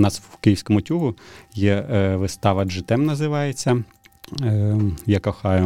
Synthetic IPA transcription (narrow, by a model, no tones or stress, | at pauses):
nɑswkɪjiwsʲkɔmʊtʲuɦʊjɛʋɪst̪ɑʋɐʒɪt̪ɛmnɐzɪʋɑjet͡sʲːɐ | jakɔxɑjʊ